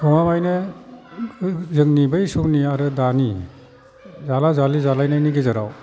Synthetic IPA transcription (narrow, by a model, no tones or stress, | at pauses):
kɔmamajne | zɯŋnibɯjsumniaɾɯdani | zalazalizalajnajniɡizɯɾa̰w